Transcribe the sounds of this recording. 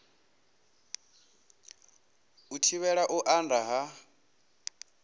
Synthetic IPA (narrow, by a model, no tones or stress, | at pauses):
utʰiβɛɺaʔuʔandaɦa